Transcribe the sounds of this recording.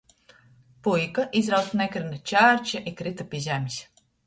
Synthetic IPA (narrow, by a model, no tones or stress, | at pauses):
pujkaʔizɾawt̪nɛkɾinat͡ʃæːɾʲt͡ʃaʔikɾit̪apʲizʲæmʲisʲ